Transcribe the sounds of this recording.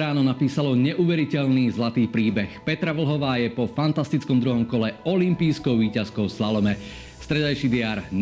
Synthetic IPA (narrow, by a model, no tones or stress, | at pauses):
ɾaːnɔnapiːsalɔɲɛʔuʋɛɾicɛʎniːzlat̪iːpɾiːbɛxpɛt̪ɾaʋl̩ɦɔʋaːjɛpɔfant̪ast̪it͡skɔmd̪ɾuɦɔmkɔlɛɔlimpiːskɔʊʋiːcaskɔʊsalɔmɛ | st̪ɾɛd̪ajʃid̪ɪaːɾn